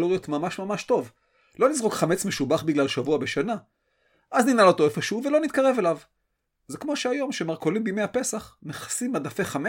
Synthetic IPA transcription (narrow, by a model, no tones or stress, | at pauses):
lojot̪mamaʃmamaʃto̞v | lo̞nizʁo̞kχame̞t͡sme̞ʃubaχbiɡlalʃavuabe̞ʃana | ʔazninalo̞t̪o̞efo̞ʃeuve̞lo̞nit̪kaʁe̞ve̞lav | zekmo̞ʃeajo̞mʃe̞maʁko̞limbijmejhape̞saχmeχḁsimːadafe̞χame